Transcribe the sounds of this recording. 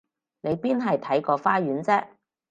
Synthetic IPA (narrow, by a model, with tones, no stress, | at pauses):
ne˨˧jpiː˥nɦɐ˨jt̪ʰɐ˨˥jkɔː˧faː˥jyː˨˥nt͡sɛː˥k̚